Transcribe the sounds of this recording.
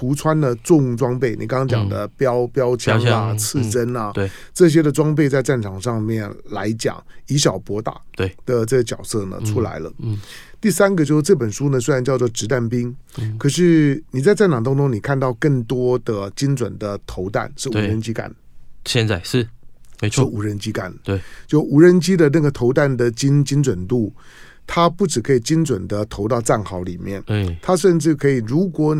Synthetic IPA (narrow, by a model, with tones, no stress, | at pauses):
u˧˥t͡sʰwa˥nd̪ə˨ʈ͡ʂʊ˥˩ŋʈ͡ʂwɑ˥ŋpe˥˩ɪnḭ˨kɑ˥ŋɑ˥ŋt͡ɕjɑ̰˨˩ŋd̪ə̰˦pjɑ˥ʊpjɑ˥ʊt͡ɕʰjɑ˥˧˥ŋa˨t͡sʰɹ̩˥˩ʈ͡ʂə˥nɐ˨˧ʈ͡ʂɤ˥˩ɕ̬jɛ˥d̪ə˨ʈ͡ʂwɑ˥ŋp̬e˥˧ɪt͡sa˥˧ɪʈ͡ʂa˥˩nʈ͡ʂʰɑ˨˩ŋʂɑ˥˧ŋmjɛ˥˩nla˧˥ɪt͡ɕjɑ̰˨˩˦ŋi˧˥ɕ̬jɑ˨˩ʊpwɔ˧˥t̪a̰˨˩e˧˩d̪̥ə˨ʈ͡ʂɤ˥˩ɡə˩t͡ɕjɑ˨˩ʊsɤ˥˩nə̰˩ʈ͡ʂʰu˥la̰˧˥ɪlə̰˧ | t̪i˥˩sa˥nɡə˨˧t͡ɕo˥˧ʊʂ̩˥˩ʈ͡ʂɤ˥˩p̬ə˨˩nʂu˥nə˨swe˥ɪɻa˧˥nt͡ɕjɑ˥˧ʊt͡swɔ˥˩ʈ͡ʂɻ̩˧˥t̪a˥˩npi˥ŋkʰɤ˨˩ʂ̬ɻ̩˥˩ni˨˩t͡sa˥˧ɪt͡sa˥˩ɪnɑ˨˩ŋt̪a˥ŋʈ͡ʂʊ˥ŋni˨˩kʰa˥˧nt̪ɑ˥˧ʊkə˥˩ŋt̪wɔ˥d̪ə˨t͡ɕi˥nt͡swə˨˩nd̪ə˦t̪ʰo˧˥ʊt̪a̰˥˩nʂɻ̩˥˩u˨˩ɻə˧˥nt͡ɕi˥ka̰˨˩n | ɕjɛ˥˧nt͡sa˥˩ɪʂɻ̩˥˩ʂɻ̩˥˩u˨˩ɻə˧˦˥nt͡ɕi˥ka̰˨˩˦n˩t͡ɕjo˥˩ʊu˨˥ɻə˧˥nt͡ɕi˥d̪ə˨na˥˩ɡə˩t̪ʰo˧˥ʊt̪a˥˩nd̪ə˩t͡ɕi˥nt͡ɕi˥nt͡swə˨˩nlu˥˩ | t̪ʰa˥pu˥˩ʈ͡ʂɻ̩˨˩kʰɤ˧˥i˨˩t͡ɕi˥nt͡swə˨˩nd̪ə˦t̪ʰo˧˥ʊt̪ɑ˥˧ʊt͡sa˥˩nxɑ˧˥ʊli˨˩mjɛ̰˥˩nt̪ʰa˥ʂə˥˧nʈ͡ʂɻ̩˥˩kʰɤ˧˥i˨˩ɻu˧˥kwɔ˧˥˦